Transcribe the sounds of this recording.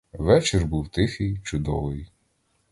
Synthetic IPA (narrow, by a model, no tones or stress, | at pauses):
ʋɛt͡ʃɪrbuwt̪ɪxɪjt͡ʃʊd̪ɔ̰ʋɪj